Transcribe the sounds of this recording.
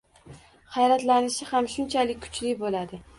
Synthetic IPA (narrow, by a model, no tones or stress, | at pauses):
χajɾat̪lanɪʃɪhamʃʊnt͡ʃʰalɪk̚ʲkʰʊ̥t͡ʃlɪbolad̪ɪ